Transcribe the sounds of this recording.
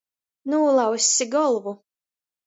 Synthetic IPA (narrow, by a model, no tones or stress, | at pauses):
nuːlˠɑwsʲiɡɔlˠvu